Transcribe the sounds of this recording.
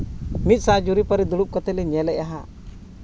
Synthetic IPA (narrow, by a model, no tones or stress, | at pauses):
mit̪̚sãd͡ʒuɾipɔɾid̪uɽup̚kɔt̪ɛlɛɲɛlɛʔaɦa